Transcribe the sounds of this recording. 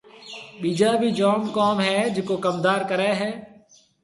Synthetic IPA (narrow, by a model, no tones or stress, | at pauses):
ɓiːd͡ʒaːbʱiːd͡ʒoːmkaːmɦɛːd͡ʒeːkoːkəmd̪aːɾkəɾɛːɦɛː